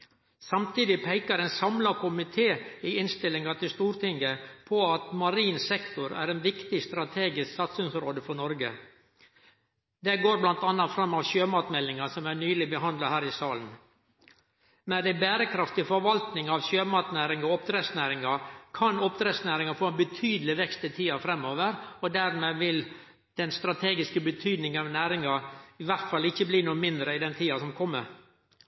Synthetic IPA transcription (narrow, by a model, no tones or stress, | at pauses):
sɑmt̪iːd̪ɪpʰæɪkəɾɛnsɑmlɑkʰʊmɪt̪ʰeːɪɪnst̪ɪlːɪŋɑt̪ɪlst̪uːɾt̪ɪŋɡəpʰɔɑt̪mɑɾiːnsɛkt̪ʊɾæ̰ːɾɛnʋɪkt̪ɪst̪ɾɑt̪ʰeːɡɪsksɑt̪sʏnsɾoːd̪əfɔɳɔɾɡə | d̪ɛɡoːɾblɑnt̪ɑnːɑfɾɑmːɑʋɕøːmɑːt̪mɛlːɪŋɑsɔmæɳyːlɪbəɦɑnd̪lɑhæːɾɪsɑːln | mɛnd̪ɛbæːɾəkʰɾɑft̪ɪfɔɾʋɑlt̪nɪŋɑʋɕøːmɑːt̪næːɾɪŋɔɔpd̪ɾeːsnæːɾɪŋɑkʰɑnɔp̚d̪ɾeːsnæːɾɪŋɑfoːɛnbət̪ʰyːd̪lɪʋɛkst̪ɪt̪ʰiːɑfɾɛmoːʋəɾɔd̪æɾmeːʋɪl | d̪̥ɛnst̪ɾɑt̪ʰeːɡɪskəbət̪ʰyːd̪nɪŋɑʋnæːɾɪŋɑɪʋæɾt̪fɑlːɪçːəbliːnuːəmɪnd̪ɾəɪd̪ɛnt̪ʰiːɑsɔmkʰɔmːə̰ɾ